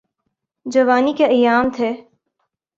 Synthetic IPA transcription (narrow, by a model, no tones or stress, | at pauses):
d͡ʒɐʋaːnikeɐjːaːmt̪ʰeː